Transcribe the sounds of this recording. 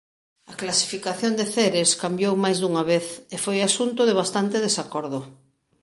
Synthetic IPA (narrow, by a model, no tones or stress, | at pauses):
ɐklasi̥fikaθjond̪eθeɾeskambjowmajzðuŋaβeθefojasunt̪ʊðeβast̪ant̪eðesakɔɾðʊ